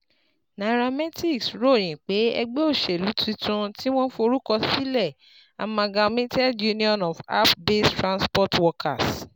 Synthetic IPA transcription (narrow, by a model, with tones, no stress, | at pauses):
na˨ɾa˧mɛ˦ti˦˨ksɾo˦˨ɾĩ˨k͡pe˨˦ɛ̰˧ɡ͡be˦o˦˨ʃe˨lu˨˦ti˧˦tũ˧ti˦w̃ɔ̃˦fo˧ɾu˦kɔ˧si˦lɛ˦˨ | a̰˨mã˧ɡã˧mĩ˦tɛ˦ju˦nĩ˦ɔ̃˨nɔ˨fa̰˦pbe˦stɾã˧nspɔ˦˨twɔ˧kʰa˨s